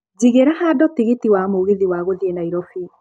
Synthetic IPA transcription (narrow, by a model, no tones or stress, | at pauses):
d͡ʒiɣeɾahaːdɔtiɣetiwamoɣeðiwaɣoðienaiɾɔfi